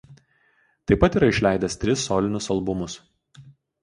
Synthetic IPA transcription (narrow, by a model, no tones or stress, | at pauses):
t̪ɐɪpɐt̪iːɾɐɪʃʲlʲæˑɪd̪ʲɛst̪ʲɾʲɪsːoːlʲɪnʲʊsɐlˠbʊmʊs